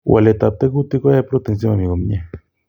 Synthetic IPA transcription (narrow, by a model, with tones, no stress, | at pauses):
wʔa̰˨le˨t̪a˨p̚t̪e˦ku˦t̪i˦ko˦e˦pɾo˦t̪e˨ns̬ji˦ma˨mi˨ɣo˨mi˦ɲe˨